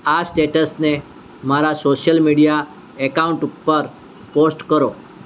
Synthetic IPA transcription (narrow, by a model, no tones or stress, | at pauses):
asʈeʈəsne | maɾasoɕjəlmiɽija | ɛkauɳʈupːəɾ | posʈkəɾo